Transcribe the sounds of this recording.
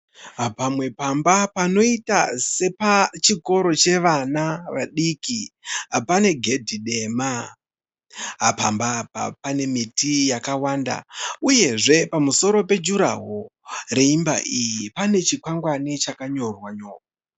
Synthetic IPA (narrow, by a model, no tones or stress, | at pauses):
ɦapamwe̞pambapano̞itase̞pat͡ʃiko̞ɾo̞t͡ʃe̞ʋanaʋaɗikiapane̞ɡʱe̞dʱiɗe̞ma | ɦapambapa̰pane̞mitijakawaːnda̰uje̞ʐe̞pamuso̞ɾo̞pe̞d͡ʒuɾa̰ɦore̞imba̰ʔijipane̞t͡ʃikwaŋɡwanit͡ʃakaɲo̞rwaɲo̞ːra